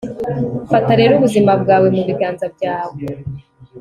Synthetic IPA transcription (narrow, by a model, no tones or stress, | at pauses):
fataɾe̞ɾuβuzimabɡaːwe̞muβiɡaːnzabɟaːwe